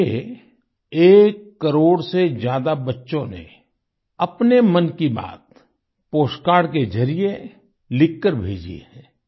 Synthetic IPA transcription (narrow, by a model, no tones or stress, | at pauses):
e | eːkːəɾoːɽsed͡ʒjaːd̪abɐtːʃõnḛ | ɐpnemɐnkiba̰ːt̪ | poːsʈkaːɾɽked͡ʒɐɾije | lɪkːəɾbʱḛːd͡ʒḛɦɛ̃ː